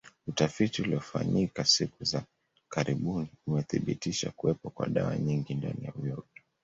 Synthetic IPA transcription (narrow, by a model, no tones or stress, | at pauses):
utafitiuliɔfa̰ɲikasikuza | kaɾiɓuniumɛθiɓitiʃakuwɛpɔkwa̰ɗawa̰ɲiŋɡinda̰nijavjɔtɔ̥